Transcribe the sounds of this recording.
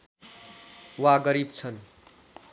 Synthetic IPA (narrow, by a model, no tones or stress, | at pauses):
waɡʌɾib̚t͡sʰʌn